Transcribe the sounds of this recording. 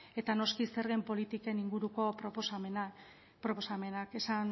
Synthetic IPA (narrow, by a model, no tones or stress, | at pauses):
e̞t̪ano̞skiseɾɣempo̞lit̪ike̞niŋɡuɾuko̞pɾoposena | pɾoposame̞nake̞san